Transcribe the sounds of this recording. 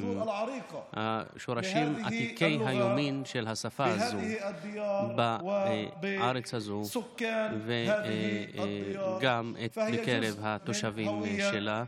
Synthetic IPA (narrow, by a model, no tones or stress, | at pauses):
ɾiha̰ʃoɾaʃimat̪ikejjɦajominʃelɦasafaazod̪ba | aɾet͡shazuskːave | ɡametbekeɾevhat̪oʃavimʃela